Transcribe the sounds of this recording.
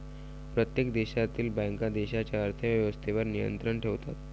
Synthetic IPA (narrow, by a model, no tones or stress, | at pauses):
pɾət̪jekd̪eɕat̪iːlbãjŋkad̪eɕat͡ɕjaəɾt̪ʰəʋjəʋəst̪ʰeʋəɾnijə̰nt̪ɾəɳʈʰeʋt̪a̰t̪